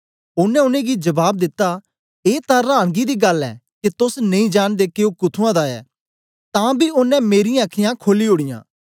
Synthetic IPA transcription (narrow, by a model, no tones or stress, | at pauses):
ʊnɛ̃ʊnẽːɡid͡ʒɐbaːb̚d̪ɪt̪ːa | eːt̪ãːɾãːɽ̃ɡid̪iːɡɐlɛ̰ːket̪ʊsnɐ̃ĩːd͡ʒaːɽ̃d̪eːkeoːkʊt̪ʰuãːd̪aːɛ̰ː | t̪ãːbʱiʊnːɛ̃meːɾɪjãəkʰɪjãːkʰoːliɦoːɽ̃ɪjã̰ː